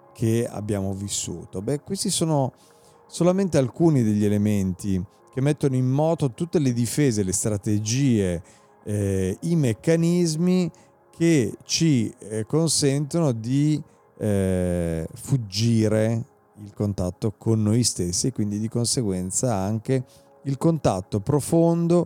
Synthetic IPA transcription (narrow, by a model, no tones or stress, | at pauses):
kʰea̰bjaːmovisːṵːt̪obɛkwest̪isoːno | solament̪ealkuːnid̪eʎːelement̪i | k̟emːet̪ːonoimːɔːt̪ot̪ut̪ːeled̪ifeːzelest̪ɾat̪ed͡ʒiːe | imekːanizmi | kʰet͡ʃikonsɛnt̪onod̪i | fud͡ʒːiːɾe | ilkont̪at̪ːokʰonːojst̪esːiekːwind̪id̪ikonseɡwɛnt̪saaŋke | ilkont̪at̪ːopɾofond̪o